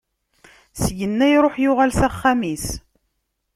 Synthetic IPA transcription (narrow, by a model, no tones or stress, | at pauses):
sʝənːæjɾˤoħjʊʁælsæχːæmis